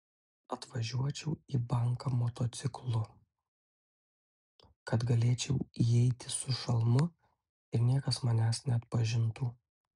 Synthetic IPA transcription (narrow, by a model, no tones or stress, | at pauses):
ɐt̪ʋɐʒʲuɔt͡ʃʲɛʊiːbɐŋkɐmoːt̪oːt̪sʲɪklˠʊ | kɐt̪ɡɐlʲeːt͡ʃʲɛʊiɛɪt̪ʲɪsʊʃɐlˠmʊ | ɪɾnʲiɛkɐsmɐnʲæːsnʲɛɐt̪̚pɐʒʲɪnt̪uː